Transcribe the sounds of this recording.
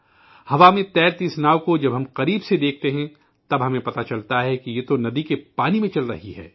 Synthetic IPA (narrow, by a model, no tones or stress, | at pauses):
hɐʋamẽt̪ɛːɾt̪ɪsnaːʋkod͡ʒɐbɦɐmqɐɾiːbsed̪eːk̚ʰt̪eɦɛ̃ | t̪ɐbɦɐmẽpɐt̪at͡ʃɐlt̪aɦɛkijet̪onɐd̪ikepaːnimẽt͡ʃɐlɾɐ̰ɦiɦɛ̰ː